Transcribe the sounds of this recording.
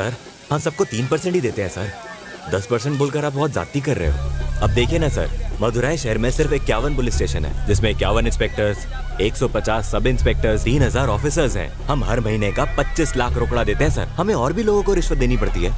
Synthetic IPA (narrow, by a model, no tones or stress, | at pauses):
sɐɾ | hɐmsɐb̚kot̪iːnpɐɾsɛ̃ɳʈid̪eːt̪ẽɦɛ̃sɐ̰ɾ | d̪ɐspɐɾsɛ̃ɳʈboːlkəɾaːp̚bɔːt̪za̰ːt̪ːikɐɾːḛɦeo̰ɐb̚d̪eːkʰiẽnɐsɐ̰ɾmɐd̪ʱʊɾaːiʃɛɦəɾmẽsɪɾfeːkːjaːʋənbʊlɪsʈeːʃənɦɛ̰ːd͡ʒɪsmẽkːja̰ːʋənɪ̃nspeːk̚ʈəɾz | eːksɔpɐt͡ʃaːsːɐbɪ̃nspeːk̚ʈəɾzt̪iːnɦɐzaːɾɔːfɪsəɾzɦɛ̰̃ːhɐmɦɐɾmɐɦiːnekapɐtːt͡ʃɪslaːkʰɾoːkɽad̪eːt̪ẽɦɛ̃sɐ̰ɾhɐmẽɔːɾbʱiloːɡõkoɾɪʃʋət̪̚d̪eːnipɐɽt̪iɦɛː